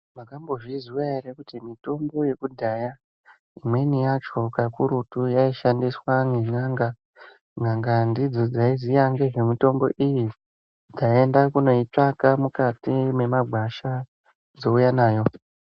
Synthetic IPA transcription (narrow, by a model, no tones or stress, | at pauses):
makambo̞ʐiziwae̞ɾekutimito̞mbo̞je̞kudʱaja | imwe̞nijat͡ʃo̞kakuɾutujaiʃandiswaŋeŋaːŋɡa | ŋaŋɡandid͡zo̞d͡zaizijaŋɡe̞ʐe̞mito̞mbo̞̰ʔiji | d͡zae̞ndakuno̞it͡ʂakamukatime̞maɡʱwaʃa | d͡zo̞ujanaːjo̞